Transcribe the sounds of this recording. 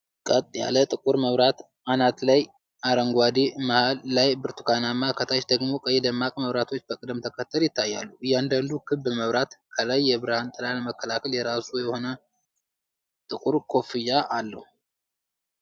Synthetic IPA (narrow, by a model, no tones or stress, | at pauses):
kʼət̪ʼja̰lət̪ʼɨkʼuɾməβɾat̪ | anat̪laj | aɾəŋɡwad̪imahalːajbɨɾt̪ʰu̥kʰanamːakʰət̪ʰat͡ʃd̪əɡmo̞kʼəjːɛd̪əmːakʼməβɾat̪ʰo̞t͡ʃːbəkʼɨd̪mt̪ʰəkʰət̪ʰːəljɪt̪ʰːajːa̰lːuɨjand̪and̪ukʰɨbːɨməβɾat̪kʰəlajːɛβɨɾahant̪ʼɨlalməkːəlakʰəljɛɾasujɛho̞nə | t̪ʼɨkʼuɾkʰo̞fijːaʔalːə̰hu